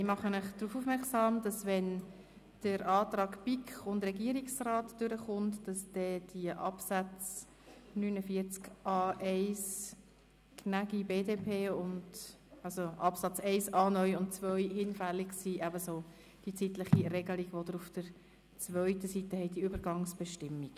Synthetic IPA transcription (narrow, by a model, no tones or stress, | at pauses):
ɪmɑχəmɪχd̥ɾuːfufmɛɾksɑːmdɑsvɛn | d̥əɾɑːtrɑːɡpikχʊndrɛɡiəɾiksraːtd̥ʏɾəχʊntd̥ɑsd̥ɛd̥iəʔɑpsæt͡s | nyːnəfiəɾt͡skʔɑːʔɛɪs | kʰnæɡibeːdeːpʰeːʊnd | ɑlsoʔɑpsɑt͡sɛɪsɑːnœʏʊnt̚t͡svœʏhɪnfælːɪɡsiʔæbəsoː | d̥it͡sitləχiɾɛɡəliɡʋodəɾʊfd̥əɾ | t͡svœʏtəsitəhɛɪdiyːbəɾɡɑŋsb̥ɛʃtɪmːiɡ